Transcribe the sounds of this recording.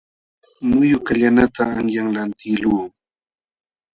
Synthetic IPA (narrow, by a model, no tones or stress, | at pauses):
mʊjʊkaʎanat̪aːŋjaŋlant̪ɪluː